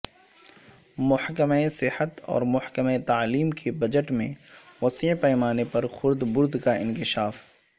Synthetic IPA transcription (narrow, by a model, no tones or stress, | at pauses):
mʊħkəmesɪhət̪ɔ̰ːɾmʊħkəmet̪aːliːmkʰebɐd͡ʒəʈmḛ̃wɐsipɛjmaːnepɐɾxʊɾd̪bʊɾd̪kaɪ̃nkɪʃaːf